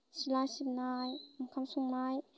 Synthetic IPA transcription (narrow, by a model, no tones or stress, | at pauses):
silasip̚najamkʰamsuŋnaj